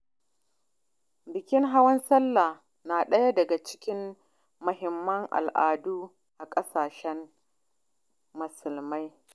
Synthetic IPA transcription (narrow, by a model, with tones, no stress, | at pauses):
bɪ˨kʲɪ˦ŋɦa˦wɐ˦nsɐ˦lːa˨ | naː˨ɗɐ˦ja˦dɐ˨ɡa˨t͡ʃɪ̥˦kʲɪ˦mː | ʊ˨ɦɪ˨mːɐ˦ŋʔa̰˨lʔa̰ː˨duː˦ | ʔa˨kʼɐ˦saː˨ʃɛ˦m | mʊ˨sʊ˨lma˦j